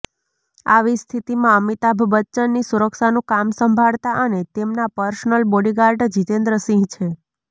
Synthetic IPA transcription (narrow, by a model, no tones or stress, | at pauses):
aʋist̪ʰit̪imãəmit̪abʱbətːʃənːisuɾəkʃanũkamsəmbʱaɭt̪aʔənet̪emnapəɾsnəlboɽiɡaɾɖd͡ʒit̪end̪ɾəsɪ̃ŋɡt͡ʃʰe